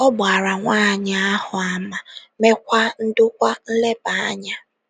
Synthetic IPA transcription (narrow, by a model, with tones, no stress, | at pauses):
ɔ˦ba˨ɾa˨ŋʷaː˦˨ɲa˨a˦hʊ˨a˨ma˨me˦kʷa˦n̩˦dʊ˦kʷa˦n̩˦le˦ba˨a˦ɲa˦